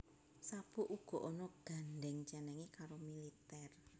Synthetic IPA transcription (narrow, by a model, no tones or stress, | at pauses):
sab̥uʔuɡ̥ɔ̤ʔɔnɔɡ̥a̤nɖɛŋt͡ʃɛnɛŋekaɾomilit̪ɛr